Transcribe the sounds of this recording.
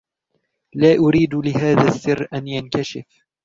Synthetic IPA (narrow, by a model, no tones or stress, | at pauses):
laːʔʊɾiːd̪lɪɦaːðaθːɪrːʔanjankaʃɪf